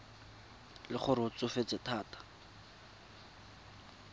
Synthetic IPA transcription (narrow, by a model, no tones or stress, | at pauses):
lɪχʊɾɪʊt͡sʊfet͡sɪtʰaːtḁ